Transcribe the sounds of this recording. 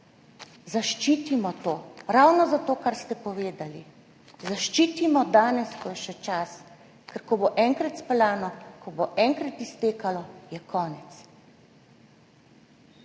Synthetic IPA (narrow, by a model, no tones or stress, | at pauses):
zaʃt͡ʃiːt̪imɔt̪oːɾawnɔzat̪oːkaɾst̪ɛpɔʋeːd̪ali | zaʃt͡ʃiːt̪imɔd̪aːnɛskɔjɛʃɛt͡ʃas | kɛɾkɔboʔɛŋkɾat̪splaːnɔkɔboʔɛŋkɾat̪ist̪eːkalɔjɛkʰɔːnɛt̪s